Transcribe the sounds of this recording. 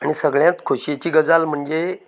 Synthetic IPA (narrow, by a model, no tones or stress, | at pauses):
aɽ̃isəɡɭjãt̪kʰoɕet͡ɕiːɡəd͡zalm̤əɳd͡ze